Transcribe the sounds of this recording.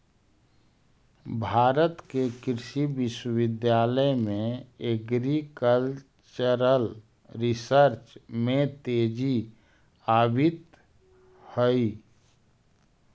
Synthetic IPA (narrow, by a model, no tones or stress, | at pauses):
bʱaːɾət̪kekɪɾʃibɪʃwəɪd̪jaːləjmẽeɡɾikəl | t͡ʃəɾəl | ɾɪsəɾt͡ʃmẽt̪eːd͡ʒi | aːbit̪ | həi